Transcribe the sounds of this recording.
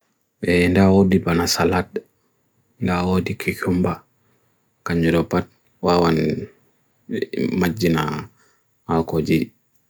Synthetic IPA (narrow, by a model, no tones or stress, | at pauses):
ɓɛndawodibanasalat̚ | ndawodikʰikumba | kaɲd͡ʒuɾɔpat̚ | wawan | mad͡ʒːina | hakod͡ʒi